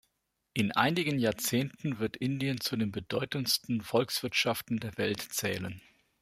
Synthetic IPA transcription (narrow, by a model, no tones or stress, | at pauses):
ʔɪnʔa̰ɪnɪɡənjaːɐt͡seːntn̩vɪɐtʔɪndiənt͡sudeːnbədɔʏtənstn̩fɔlksv̥ɪɐtʃaftn̩deːɐvɛltt͡sɛːlən